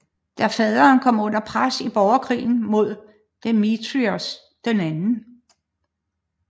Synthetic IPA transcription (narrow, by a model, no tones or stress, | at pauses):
d̥æfɛðˠɐːnkʰɒ̽m̰ɔ̽n̰ɐpʰʁasib̥ɒʊɐkʰʁḭːn̩mo̝ð̞̰ˠ | d̥emit͡sʰʁios | d̥enænn̩